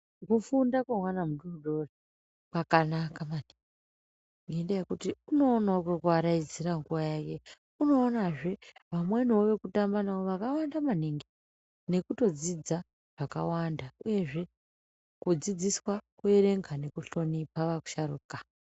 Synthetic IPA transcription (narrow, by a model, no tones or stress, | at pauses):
kufundakwamwanamuɗurɗori | kakanakamaniŋɡ | i | ŋɡendejekutiuno̞ːnaokokuaɾaid͡ziɾaŋɡuʋajake | uno̞ːnaʐe̞ʋamwenoʋe̞kutambanaoʋakawandamaniŋɡi | ne̞kuto̞d͡zid͡za | ʐ̥aka̰wandauje̞ʐe̞ | kud͡zid͡ziswake̞ɾe̞ŋɡʱane̞kuɬo̞nipaʋaku̥ʃaɾukḁ